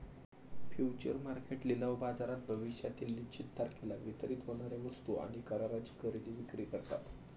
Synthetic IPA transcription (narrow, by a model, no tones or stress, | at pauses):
fjut͡ɕə̰ɾmaɾkeʈlilaʋbad͡zaɾat̪̚bʱəʋiɕjat̪ilːit͡ɕit̪ːaɾkelaʋit̪əɾiːt̪ɦoɽ̃aɾjaʋəst̪uʔa̰ɽ̃ikəɾaɾat͡ɕi̥kəɾid̪iːʋikɾikəɾt̪a̰t̪